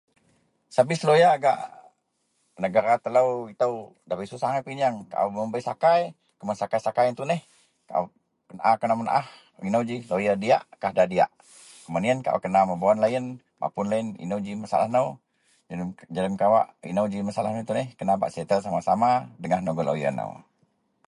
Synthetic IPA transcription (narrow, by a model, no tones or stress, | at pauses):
sabɪslojaːɡa̰ʔ | nəɡaɾat̪ələwit̪əw | dapisusaŋapiɲaŋka̰ʔowməmbəisakaj | kəmansakajsakajənt̪unɛh | ka̰ʔo̰ | kənʔakənamənʔah | inəwd͡ʒihlojadia̰ʔkahdadia̰ʔ | kkəmadiənka̰ʔṵkənaməboɔnlajən | ma̰pʊnlaənḭnəwd͡ʒimasa̰la̰hnəw | d͡ʒələmkawa̰ʔḭnəwd͡ʒimasala̰hnont̪unɛhkənaba̰ʔset̪əls̬amasamadəŋahnoɡəlʔo̰jə̰no̰w